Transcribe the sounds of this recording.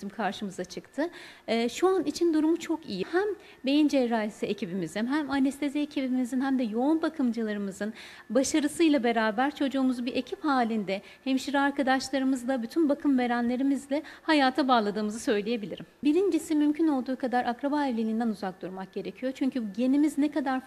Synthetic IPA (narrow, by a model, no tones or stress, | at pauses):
imkʰaɾʃɯmɯzat͡ʃʰɯkt̪ʰɯːʃuanit͡ʃʰind̪uɾumut͡ʃʰo̞kijihæm | be̞jind͡ʒɛɾaːesiecʰibimizinɦæmanɛst̪ʰe̞ziecʰibimizinhæmd̪ɛjo̞unbakʰɯmd͡ʒɯlˠaɾɯmɯzɯn | baʃaɾɯsɯjlˠabe̞ɾaːbæɾt͡ʃʰo̞d͡ʒuːmuzubiɾʔe̞cʰiphaːlʲind̪ɛ | hɛmʃiɾaɾkʰad̪aʃlˠaɾɯmɯzd̪ˠabyt̪ʰynbakʰɯmve̞ɾænlʲe̞ɾimizlʲɛhajaːt̪ʰabaːlˠad̪ɯːmɯzɯsø̞jlʲeje̞bilʲiɾimbiɾind͡ʒisimymcʰyno̞lˠd̪uːkʰad̪aɾakɾabaɛvlʲelʲind̪ænuzak̚d̪uɾmak̚ɟ̥e̞ɾe̞cʰijo̞t͡ʃʰyɲcyje̞nimiznekad̪aɾ